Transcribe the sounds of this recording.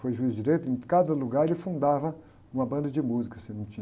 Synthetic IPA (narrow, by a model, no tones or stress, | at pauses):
fojʒuizd͡ʒiɾejt̪ʊẽkad̪ɐluɡaɾɪfũnd̪avɐ | ũmɐbɐ̃nd̪ɐd͡ʒɪmuzikɐsɪnɐ̃w̃t͡ʃĩ